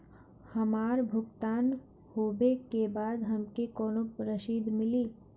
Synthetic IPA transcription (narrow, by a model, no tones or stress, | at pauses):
hɐmaːɾbʱʊɡt̪aːn | hoːbekebaːd̪ɦɐmkekɔːnopɾəʃiːd̪mɪliː